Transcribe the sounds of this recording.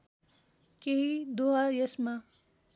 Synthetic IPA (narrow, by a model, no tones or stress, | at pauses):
keɦid̪oɦajesma